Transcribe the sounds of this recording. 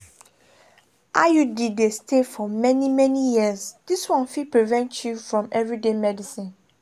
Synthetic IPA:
ʔajudidestʰefɔmɛnimɛnijiəzd̥iswɔ̃nfipɹivɛ̃ntʰjufɹɔ̃mɛvɹidemɛdisĩn

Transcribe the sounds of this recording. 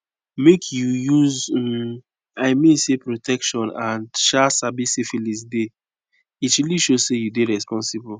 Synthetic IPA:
mekʰjujuz | aɪmĩnsepɾotʰɛkʃɔ̃nãndʃasabisefilisde | itiliʃosejudeɹɛspɔ̃nsibul

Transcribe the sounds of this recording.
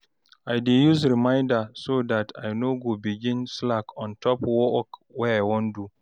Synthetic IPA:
aɪdejus̬ɾimãɪ̃ndasodatʰajnoɡobiɡĩnslakʰɔ̃ntʰɔpwɔkwɛajwɔ̃ndu

